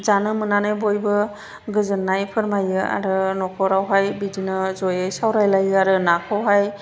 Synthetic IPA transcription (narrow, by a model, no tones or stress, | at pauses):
zanɯmɯnanɯjbɔjbɯ | ɡɯzɯnːajpʰɯɾmajɯa̰ɾɯnɔkʰɔɾawɦajbidinɯzɔjajsawɾajlajɯaɾɯnakʰɔwɦaj